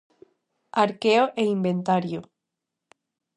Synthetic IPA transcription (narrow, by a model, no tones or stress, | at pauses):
aɾkeoʔeimbent̪aɾjo